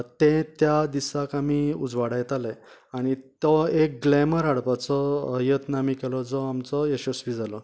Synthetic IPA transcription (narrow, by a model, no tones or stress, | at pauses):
t̪ẽt̪jad̪isakamiːud͡zʋaɽajt̪alaaɽ̃it̪ɔek̚ɡlɛməɾɦaɽpat͡sɔjət̪namikelɔd͡zɔamt͡sɔeɕɔsʋid͡zalɔ